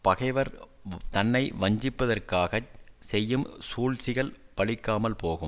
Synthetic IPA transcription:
pɐɣɐɪʋɐɾ | t̪ɐnːɐɪʋɐɲd͡ʒɪpːɐðɐrkaːɣɐsɛjːɯmsuːɻsɪɣɐɭpɐɭɪkːaːmɐlpoːɣɯm

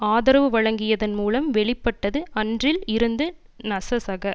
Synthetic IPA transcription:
aːðɐɾɐʋɯʋɐɻɐŋɡɪjɐðɐnmuːlɐmʋɛɭɪpːɐʈːɐðɯɐndrɪlɪɾɯnd̪ɯ | nɐsɐsɐɣɐ

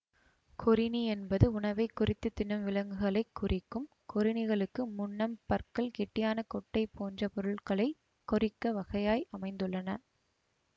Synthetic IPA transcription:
kʰɔɾɪniɛnbɐðɯʊɳɐʋɐɪkːʊrɪt̪ːɯt̪ːɪnɐmʋɪlɐŋɡɯɣɐɭɐɪkːʊrʔɪkːɯm | kɔɾɪnɪɣɐɭɯkːɯmʊɳːɐmpɐɾkɐɭkɛʈːɪjaːnɐkɔʈːɐɪpːoːndrɐpɔɾɯɭkɐɭɐɪ | kːɔɾɪkːɐʋɐɣɐjaːjʔɐmɐɪnd̪ɯɭːɐnɐ

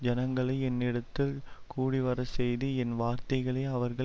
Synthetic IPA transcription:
d͡ʒɐnɐŋɡɐɭɐɪɛnːɪɽɐt̪ːɪlkuːɽiʋɐɾɐsɛjðiɛnʋaːɾt̪ɐɪɣɐɭɐːɐʋɐɾɣɐ

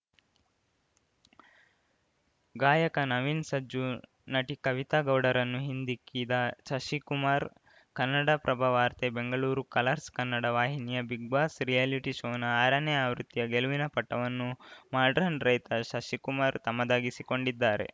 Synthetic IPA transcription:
ɡaːjɐkɐnɐʋiːnsɐd͡ʒu | nɐʈikɐʋit̪aːɡɐwɽɐɾɐnːuɦind̪ikːiːd̪ɐʃɐʃikumaːɾ | kɐnːɐɽɐpɾʔɐbʱaʋaːɾt̪ebeŋɡɐɭuːɾukɐlɐɾskɐnːɐɽɐʋaːɦinijɐbiɡʋaːsɾijaliʈiʃoːnɐaːɾɐneaːʋɾut̪ːijɐɡeluʋinɐpɐʈːɐʋɐnːumaːɖɾɐnɾɐjt̪ɐʃɐʃikumaːɾt̪ɐmːɐd̪aːɡisiko̞ɳɖid̪ːaːɾe̞̰

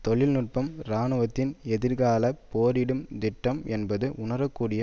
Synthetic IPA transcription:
t̪ɔɭɪlnʊʈ̚pɐmɾaːnɯʋɐt̪ːɪnɛðɪɾɣaːlɐpoːɾɪɽɯmd̪ɪʈːɐmɛnbɐðɯʔʊɳɐɾɐkːuːɽɪjɐ

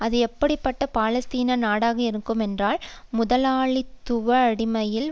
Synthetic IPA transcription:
ɐðɯɛpːɐɽɪpːɐʈːɐpaːlɐst̪iːnɐnaːɽaːɣɐɪɾɯkːɯmɛndraːlmʊðɐlaːɭit̪ːʊʋɐːɽɪmɐjɪl

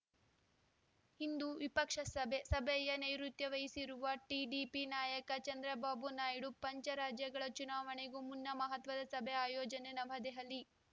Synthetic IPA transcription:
hind̪uʋipɐkʂɐsɐbʱesɐbʱɛjɐnɐjɾut̪jɐʋɐjisiɾuʋɐʈiɖipinaːjɐkɐt͡ʃɐnd̪ɾɐbaːbunaːjɽupɐɲt͡ʃɐɾaːd͡ʒjɐɡɐɭɐt͡ʃunaːʋɐɳeɡumunːɐmɐɦɐt̪ʋɐd̪ɐsɐbʱeaːjɔːd͡ʒɐnenɐʋɦɐd̪ɛɦɐlːi

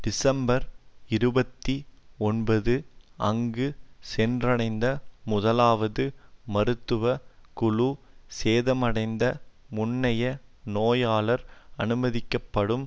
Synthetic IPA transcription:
ɖ̥ɪsɐmbɐɾɪɾɯbɐt̪ːiɔnbɐðɯɐŋɡɯsɛndrɐɽɐɪnd̪ɐmʊðɐlaːʋɐðɯmɐɾɯt̪ːɯʋɐkʊɭuseːðɐmɐɽɐɪnd̪ɐ | mʊnːɐjɐnoːjaːɭɐɾɐnɯmɐðɪkːɐpːɐɽɯm

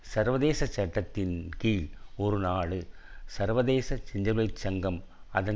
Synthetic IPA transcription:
sɐɾʋɐðeːsɐt͡ʃːɐʈːɐt̪ːɪnkiːlɔɾɯnaːɽɯsɐɾʋɐðeːsɐt͡ʃɪɲd͡ʒɐlɐɪt͡ʃːɐŋɡɐmɐðɐ

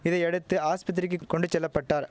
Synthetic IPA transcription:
ɪðɐɪɛɽɯt̪ːɯaːspɐt̪̬ːɪɾɪk̬ːɯkːɔɳɖɯt͡ʃɛlːɐpːɐʈːaːɾ

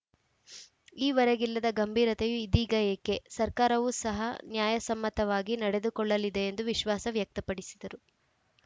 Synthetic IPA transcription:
iːʋɐɾɐɡilːɐd̪ɐɡɐmbʱiːɾɐt̪ejuid̪iːɡɐjɐkːe̞sɐɾkaːɾɐʋuːsɐɦɐnjaːjɐsɐmːɐt̪ɐʋaːɡinɐɽe̞d̪ukɔɭːɐlid̪e̞ːnd̪uʋiʃʋaːsɐʋjɐk̚t̪ɐpɐɽisi̥d̪ɐɾu

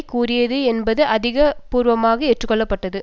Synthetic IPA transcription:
kuːrɪjɐðɯɛnbɐðɯʔɐðɪɣɐpuːɾʋɐmaːɣɐɛʈrɯkːɔɭːɐpːɐʈːɐðɯ

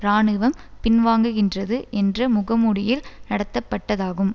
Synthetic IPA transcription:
ɾaːɳɯʋɐmpɪnʋaːŋɡɯɣɪndrɐðɯʔɛndrɐmʊɣɐmuɽɪjɪlnɐɽɐt̪ːɐpːɐʈːɐðaːɣɯm

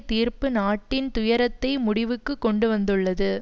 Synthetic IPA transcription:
t̪iːɾpɯnaːʈːɪnt̪ʊjɐɾɐt̪ːɐɪmʊɽɪʋɯkːɯkːɔɳɖɯʋɐnd̪ɯɭːɐðɯ

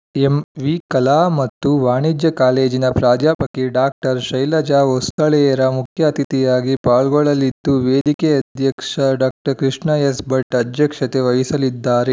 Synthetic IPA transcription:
emʋikɐlaːmɐt̪ːuʋaːɳid͡ʒjɐkaːleːd͡ʒinɐpɾaːd͡ʒaːpɐkeɖaːk̚ʈɐɾʃɐjlɐd͡ʒaːɦost̪ɐɭɛjɐɾɐmukʰjaːɐt̪it̪ijaːɡipaːɭɡɔɭɐlːid̪ːuʋeːd̪ikeɐd̪ʱjɐkʂɐɖaːk̚ʈɐɾkɾiʂɳɐjɐsbɐʈːɐd̪ʱjɐkʂɐt̪eʋɐjisɐlid̪ːaːɾe

